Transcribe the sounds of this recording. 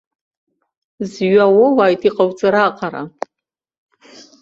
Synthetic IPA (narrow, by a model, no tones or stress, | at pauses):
zɥawowaːjtʰiqʼawt͡sʼaɾaqʰʼaɾa̰